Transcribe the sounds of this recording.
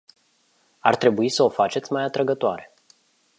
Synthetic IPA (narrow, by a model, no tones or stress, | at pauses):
art̪ɾe̞buisəo̞fat͡ʃe̞t̪sʲmajat̪ɾəɡət̪oaɾe̞